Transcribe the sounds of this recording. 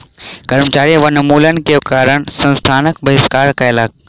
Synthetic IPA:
kɐɾmt͡ɕaːɾiʋɐnɐmuːlənɪ̆kekaːɾəɽ̃sɐ̃nst̪ʰaːnək̚bɐɦɪskaːɾkãɪlaːk̚

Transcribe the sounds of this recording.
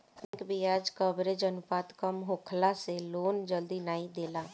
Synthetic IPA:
ɛ̃kbʱiaːd͡ʒkəbɾed͡ʒənʊpaːt̪kəmɦoːkʰlãseloːnd͡ʒəld̪inaːid̪eːlaː

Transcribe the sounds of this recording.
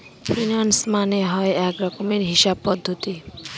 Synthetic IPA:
pɾinansmaneɦɔeɛkɾɔkomeɾɦiʃab̚pɔd̪ʱːot̪i

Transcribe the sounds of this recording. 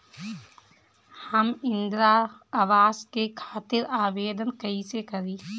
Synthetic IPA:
həmɪ̃nd̪ɾaaʋaːzkekʰaːt̪ɪɾaːʋeːd̪ənkəisekəɾiː

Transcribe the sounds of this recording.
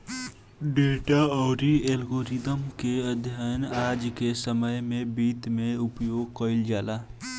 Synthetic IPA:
ɖeʈaɔʊɾielɡoɾid̪əmkeəd̪ʱjanad͡ʒkesəməjmebit̪meupjoɡ̚kəɪld͡ʒala

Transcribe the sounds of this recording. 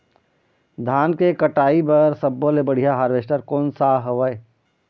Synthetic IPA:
d̪ʱaːnkekəʈaːibɐɾsɐbːolebəɽ̤ijaɦaːɾʋeːsʈəɾkoːnsaɦəʋəe

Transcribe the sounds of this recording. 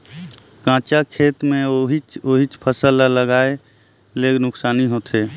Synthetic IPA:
kãːt͡ʃakʰeːt̪mẽoɦit͡ʃoɦit͡ʃpʰəsəlaləɡaːe | leːɡnʊksaːniɦot̪ʰeː

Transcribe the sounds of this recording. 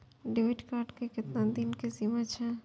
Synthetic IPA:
ɖɪʋeʈkaːɾɖkekɪt̪nad̪inkesimat͡ʃʰɛ

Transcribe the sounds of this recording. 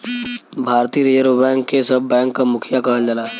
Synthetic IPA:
bʱaːɾt̪iːɾijəɾbɛ̃ːŋkːesɐbːɛ̃ːŋkːamʊkʰɪjakɐɦəld͡ʒəlaːɛ

